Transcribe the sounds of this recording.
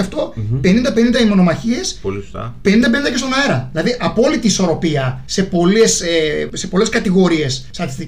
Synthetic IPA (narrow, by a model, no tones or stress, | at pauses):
ɐft̪o̞pe̞nind̪ɐpenind̪ɐimo̞no̞mɐçie̞slpe̞nind̪ɐpe̞nind̪ɐce̞st̪o̞nɐeɾɐðilɐðiʔɐpo̞lit̪iːso̞ɾo̞piɐse̞po̞lesese̞po̞le̞skɐt̪iɣo̞ɾie̞sːt̪ɐt̪i̥st̪i